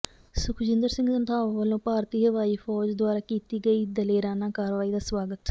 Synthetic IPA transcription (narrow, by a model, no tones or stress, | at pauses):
sʊkʰd͡ʒɪ̃nd̪əɾsɪ̃ŋɡsənt̪ʰaːʋʋəlõːpaːɾt̪iːɦəʋaːiːfʰɔːd͡ʒd̪waːɾaːkiːt̪iːɡəiːd̪əleːɾaːnãːkaːɾəʋaːiːd̪aːsʋaːɡət̪